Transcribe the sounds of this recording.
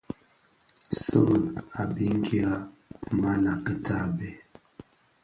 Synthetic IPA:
so˦˨la˨bi˦ŋ˦ɡi˦a˦ma˦na˨kə˨tʰa˦˨bɛ˦˨

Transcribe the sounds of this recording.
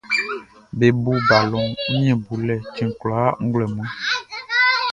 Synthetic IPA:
be˨bu˨ba˨lɔ˨m̩˦ɲ˦ɛ̃˨bu˨lɛ˨t͡ʃĩ˨ŋ˨klɔ˨a˦ŋ̩˦ɡlɛ˨m˦ɛ̃˦

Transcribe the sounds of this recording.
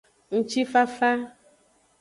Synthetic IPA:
ŋ̩̃˦t͡ʃi˦fa˦fa˦

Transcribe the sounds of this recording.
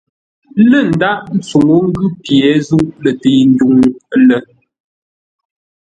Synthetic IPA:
lə˦˨n̩˨da˦ʔn̩˦t͡su˨ŋo˦ŋ̩˦ɡʉ˦pjɛ˨˦zu˦ʔlə˨te˨n̩˦du˨ŋ˦lə˦

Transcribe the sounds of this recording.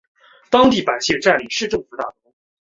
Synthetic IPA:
t̪ɑ˥ŋt̪i˥˩pa˨˩ɪɕi˥˩ʈ͡ʂa˥˩nli˨˩ʂɻ̩˥˧ʈ͡ʂɤ˥˩ŋfu˧˥t̪a̰˥˩t̪ə˧˩˥

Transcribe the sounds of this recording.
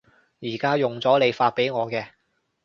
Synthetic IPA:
jiː˨˩kaː˥jʊ˨ŋt͡sɔː˨˥le˨˧jfaː˧t̚pe˨˥jŋɔː˨˧kɛː˧

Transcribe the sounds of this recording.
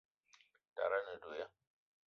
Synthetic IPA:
ta̰˨ɾa˦na˨doː˨ja˦

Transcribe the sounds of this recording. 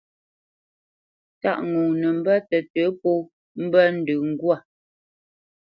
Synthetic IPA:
ta̰˦˨ʔŋu˨nə˨m̩˦bə˦tə˨tə˨˦po˦ | m̩˦bə˦n̩˨dʉ˨ŋ̩˦ɡwa˦˨

